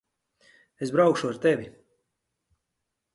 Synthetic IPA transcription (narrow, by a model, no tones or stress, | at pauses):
esbɾawkʃuaɾt̪evʲi